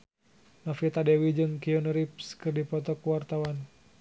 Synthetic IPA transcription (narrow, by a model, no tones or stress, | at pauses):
nafit̪adɛwid͡ʒɨŋkiɔnɾipskɨrdipɔt̪ɔkuwart̪awan